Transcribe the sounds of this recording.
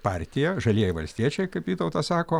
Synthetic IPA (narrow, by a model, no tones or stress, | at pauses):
pɑːɾʲt̪ʲɪjɛʒɐlʲiɛjɪʋɐlʲsʲt̪ʲiɛt͡ʃʲɛɪkɐɪpʋʲiːt̪ɐʊt̪ɐsɑːkoː